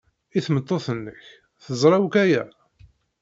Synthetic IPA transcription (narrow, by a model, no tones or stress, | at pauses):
iθmət̪ˤːoθənːəç | θəzˤɾˤɑwkæjæ